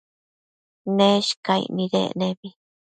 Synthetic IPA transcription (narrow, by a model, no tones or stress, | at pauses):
nẽʃkaḭnĩɾḛnẽβi